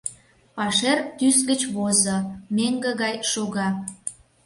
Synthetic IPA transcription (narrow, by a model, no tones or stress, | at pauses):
pɑʃert̪ysɡət͡ɕβozomeŋɡə̆ɣɑjʃoɣɑ